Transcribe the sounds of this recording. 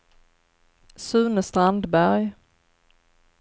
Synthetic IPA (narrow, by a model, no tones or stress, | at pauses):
sʉ̟ːnəst̪ɾand̪bæɾj